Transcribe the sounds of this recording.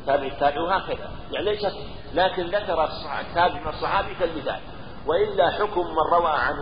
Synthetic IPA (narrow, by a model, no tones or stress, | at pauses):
t̪ːaːbɪʕat̪ːaːbɪʕwhaːkaða̰ | jaʕnileːʃat̪ | laːkɪnðakɑɾˤɑsˤːt̪ːaːbɪʕsˤːɑħɑːbikalmɪθa̰ːl | wɪʔɪlːaħʊkʊmːanːˤɑwaːʕa̰n